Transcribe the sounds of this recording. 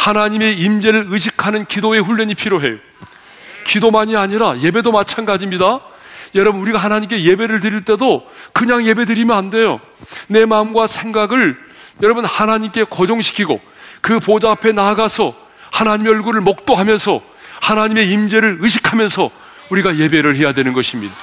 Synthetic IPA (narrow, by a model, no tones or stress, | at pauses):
hanaɲime̞imd͡ʑe̞ɾɯɾɯɕ̬ʰikʰanɯnkidoe̞ɸuʎːʌɲipʰiɾjoɦe̞̰jo | kidomaɲiaɲiɾaje̞be̞domat͡ɕʰanɡad͡ʑimɲidajʌɾʌbɯnuɾiɡahanaɲimk̬͈e̞je̞be̞ɾɯɭt̬ɯɾiɭt͈e̞dokɯɲaŋje̞be̞dɯɾimjʌnande̞jo̰ | ne̞mamɡwasʰeŋɡaɡɯɭjʌɾʌbɯnhanaɲimk͈e̞kʌd͡ʑoŋɕʰi̥kʰiɡo̰ | kɯpod͡ʑaːpʰe̞naɡasʰʌ | hanaɲimeʌɭɡuɾɯɭmok̚t͈oɦamjʌnsʰʌ | hanaɲime̞imd͡ʑe̞ɾɯɭɯɕ̬ʰi̥kʰamjʌnsʰʌ | uɾiɡaje̞be̞ɾɯɭɦe̞jadwe̞nɯnɡʌɕʰimɲida